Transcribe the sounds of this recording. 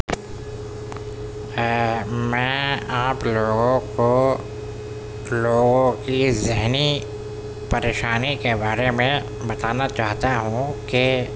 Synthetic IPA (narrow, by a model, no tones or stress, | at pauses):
mɛ̃ːaːploːɡõko | loːɡõkizɪɦni | pɐɾeːʃaːnikebaːɾemẽ | bɐt̪aːnat͡ʃaːɦt̪aɦũke